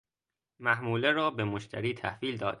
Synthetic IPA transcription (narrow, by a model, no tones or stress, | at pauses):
mæhmuːleɾɒːbemoʃt̪ʰæ̰ɾiːt̪ʰæhviːld̪ɒːd̪̥̚